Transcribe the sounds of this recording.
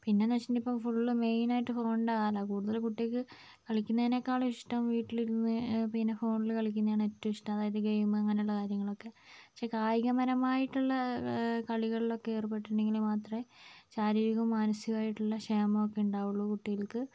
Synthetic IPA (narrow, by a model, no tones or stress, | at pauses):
pinːenɐt͡ɕːindipːofuɭːuɭɨme̞jnaːjiʈːɨfoːɳɖaːlːɐkuːɽuðɐlkuʈːijɐkːɨ | kɐɭikʲːunːɐinekːaːɭɐiʂʈɐmʋiːʈːiliɾunːɨpinːefoːɳɖilkɐɭik̬ʲːunːɐjaːɳɨetːɐmiʂʈɐmɐðaːjɐðɨɡejumɐŋːɐne̞juɭːɐkaːɾjɐŋːɐɭo̞kːe̞pɐkʂekaːjiɣɐmɐɾɐmaːjiʈːuɭːɐkɐɭiɣɐɭilo̞kːeerupːe̞ʈːuɳɖe̞ŋɡilmaːt̪rɐmet͡ɕaːɾiːɾiɣɐmːaːnɐsijɐmaːjiʈːuɭːɐʂeːmɐmokːe̞uɳɖaːʋuɭːukuʈːijɐlkɨ